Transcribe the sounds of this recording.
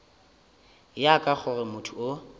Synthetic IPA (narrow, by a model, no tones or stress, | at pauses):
jakʼak͡xʰʊrɪmʊtʰuo